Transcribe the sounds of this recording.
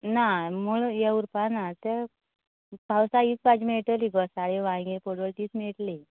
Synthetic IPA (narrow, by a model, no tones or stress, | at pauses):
namuɭjeuɾpanat̪e | pawsait͡spat͡ɕmeʈəliɡəsaɭeʋãɡepoʈbəlʈiːt͡smeɭʈle